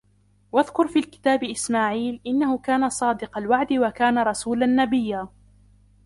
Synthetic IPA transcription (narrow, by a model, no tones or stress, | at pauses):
waðkʊɾfiːlkɪ̥t̪aːbɪʔɪsmaːʕiːlʔɪnːahʊkaːnasˤɑːd̪ɪqɑlwaʕd̪ɪwakaːnaɾˤɑsuːlanːabɪjːaː